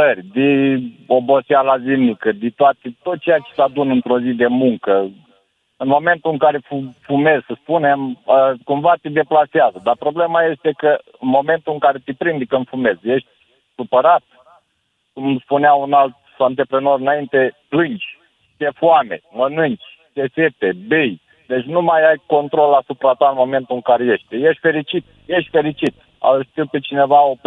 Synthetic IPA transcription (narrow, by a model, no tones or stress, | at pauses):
ərʲd̪iobo̞sialazimnikəd̪it̪oat̪et̪ot̪̚t͡ʃe̞jat͡ʃe̥sad̪unɨnt̪ɾo̞zid̪e̞muŋkə | ɨnmo̞me̞nt̪uɨŋkaɾe̞fufume̞zsəspune̞məkumvat̪id̪e̞plaseazəd̪arpɾo̞ble̞maje̞st̪e̞kəɨnmo̞me̞nt̪uɨŋkaɾe̞t̪ipɾind̪ikɨnfume̞zje̞ʃt̪̚ʲ | supəɾat̪̚ | kumspuneaunalt̪̚sant̪̬epɾeno̞ɾɨnaint̪e̞plɨnt͡ʃʲ | t̪efuame̞̰mənɨnt͡ʃʲ | t̪eset̪ebej | d̪e̞t͡ʃʲnumajajko̞nt̪ɾo̞lasupɾat̪waɨnmo̞me̞nt̪uɨŋkaɾe̞je̞ʃt̪̚ʲje̞ʃt̪ʲfe̞ɾit͡ʃit̪̚je̞ʃt̪ʲfe̞ɾit͡ʃit̪ | a̰ʃt̪iwpet͡ʃine̞vaop